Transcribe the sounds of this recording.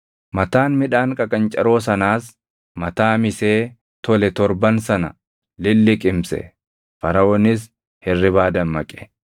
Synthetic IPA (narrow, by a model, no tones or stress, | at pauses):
mɐt̪aːnmɪᶑaːŋkʼɐkʼɐnt͡ʃʼɐɾo̞ːsɐnaːs | mɐt̪aːmɪse̞ː | t̪ɔlɛt̪ɔɾbɐnsɐnɐ̰ | lɪlːɪkʼɪmsɛ̰ | fɐɾɐwɔnɪs | hɛrːɪbaːd̪ɐnmɐkʼɛ̥